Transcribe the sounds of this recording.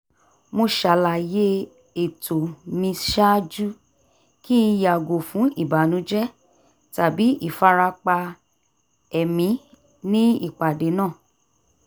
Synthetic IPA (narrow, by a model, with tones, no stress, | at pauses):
mo˧ʃa˨la˨je˦ | e˨tʰo˨mĩ˧ʃa˦d͡ʒu˦ | ki˦˧ja˨ɡo˨fũ˨˦i˦˨ba˨˦nũ˨˦d͡ʒɛ˦ | ta˨bi˨˦i˦˨fa˧ɾa˧k͡pa˧ | ɛ˨mĩ˨˦ | nĩ˦i˦˨k͡pa˨de˨˦nã˦˨